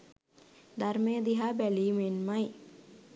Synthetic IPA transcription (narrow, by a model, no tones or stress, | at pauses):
d̪ɐɾmejəd̪iɦabæliːmenmɐj